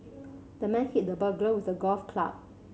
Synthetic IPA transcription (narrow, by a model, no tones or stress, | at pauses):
d̥əmɛ̃nhit̚dəbəɡlowisəɡɔlfkʰla̰p̚